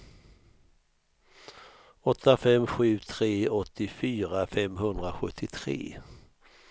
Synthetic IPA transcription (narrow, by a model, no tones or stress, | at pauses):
ɔt̪ːafɛmːɧʉ̟ːt̪ʰɾeːɔt̪ʰːɪfyːɾafɛmːɦɵnd̪ɾaɧɵt̪ʰːɪt̪ʰɾḛː